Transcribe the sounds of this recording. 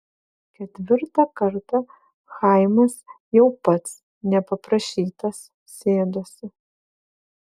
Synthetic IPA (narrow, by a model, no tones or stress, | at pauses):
kʲɛt̪ʲʋʲɪɾt̪ɐkɐɾt̪ɐ | xɐɪmɐs | jɛʊpɐt̪s | nʲɛpɐpɾɐʃʲiːt̪ɐsːʲ | eːd̪osʲɪ